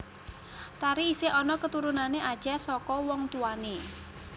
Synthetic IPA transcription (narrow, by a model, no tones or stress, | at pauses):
t̪aɾiːseʔɔnɔkət̪uɾunaneʔad̥ʒ̥asɔkɔwɔŋt̪uane